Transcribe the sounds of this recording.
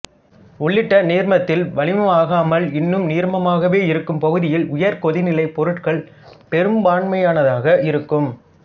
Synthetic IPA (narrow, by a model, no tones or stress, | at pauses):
ʊɭːɪʈːɐneːɾmɐt̪ːɪlʋɐlɪmɐaːɣaːmɐlɪnːɯmniːɾmɐmaːɣɐʋeːɪɾɯkːɯmpɐɣɯðɪjɪlʊjɐɾkɔðɪnɪlɐɪpɔɾɯʈkɐɭ | pɛɾɯmbaːɳmɐjaːnɐðaːɣɐʔɪɾɯkːɯm